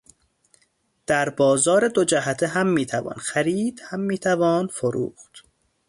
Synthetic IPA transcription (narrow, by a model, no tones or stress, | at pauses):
d̪̥æɾbɒːzɒːɾe̞d̪od͡ʒæɦæt̪ʰeɦæmːiːt̪ʰævɒ̰ːnxæɾiːd̪̥hæmːiːt̪ʰævɒːnfoɾṵːxt̪